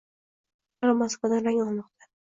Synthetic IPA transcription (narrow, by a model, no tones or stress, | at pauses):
lamaskvad̪anɾaŋɒlˠmɒqt̪ʰa